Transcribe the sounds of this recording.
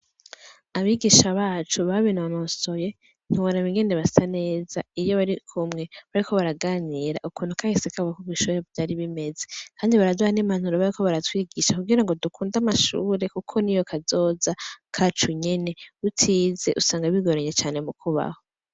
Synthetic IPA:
aβiɡiʃaβaːt͡ʃuβaβinaanoːso̞je̞ | n̥huɾaβiŋɡe̞ndeβasane̞ːzaijoβaɾikʰumŋe̞βaɾikʰo̞βaɾaɡaːniɾa̰ʔukʰuːn̥ukahisekaββakuɡwiʃuːɾevdaɾiβime̞zekʰaːndiβaɾaduhaneman̥huɾoβaɾikʰo̞βaɾatwiːɡiʃakuɡiɾaŋɡo̞dukʰuːndamaʃṵːɾe̞kukʰo̞nijo̞kʰazo̞ːzakʰat͡ʃuɲe̞ne̞utʰiːze̞ʔusaːŋɡaβiɡoɾeɲet͡ʃaːne̞mukʰuβa̰ho

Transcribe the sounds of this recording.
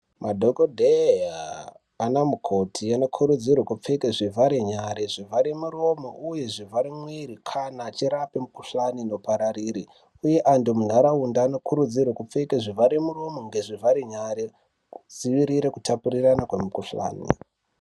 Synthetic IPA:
madʱokodʱejaː | namukʰo̞tʰiano̞kʰuɾud͡zirwekup͡fekeʐivʱaɾeɲaɾeʐivʱaɾemuro̞moʔuje̞ʐivaɾemwiɾikʰanaːt͡ʃiɾapimukuɬanino̞paɾariɾi | uje̞ʔandomun̤aɾaundaːno̞kʰuɾud͡zirwekup͡fekeʐivaɾemuro̞mo̞ŋɡe̞ʐivʱaɾeɲaɾe | kud͡ziʋiɾiɾekutʰapuriranakwe̞mukuɬa̰ːnḭ

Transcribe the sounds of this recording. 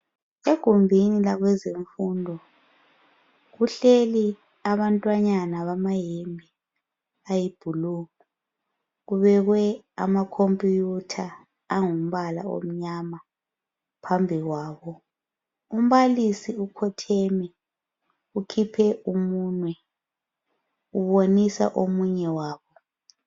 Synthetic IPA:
eɡ̥ʱumbʱinilaɣwɛzeɱfuːndʱɔ | ɣuɬeli | aβantʼwaɲanaβamajemʱi | ajib̥ʱuluːmu | ɣuβɛɣwɛa̰makʰompʼijutʰaː | ŋum̩βala̰o̰m̩ɲama | pʰambʱiɣwaːβɔ | um̩βalisiukʰɔtʰɛmɛ | ukʰipʰɛʔumuːnwɛ | uβonisa̰ʔomuɲɛwaːβɔ

